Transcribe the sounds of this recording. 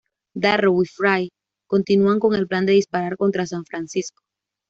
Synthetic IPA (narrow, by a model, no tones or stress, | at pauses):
d̪arowifɾaj | ko̞nt̪inuaŋko̞ŋe̞lpland̪e̞ðispaɾaɾko̞nt̪ɾasaɱfɾansisko